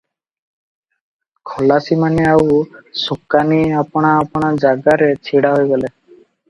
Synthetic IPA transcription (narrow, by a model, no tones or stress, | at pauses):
kʰɔlasimaneawsukaniapɔɽ̃aːpɔɽ̃ad͡ʒaɡaɾet͡ɕʰiɽaɦojɡɔle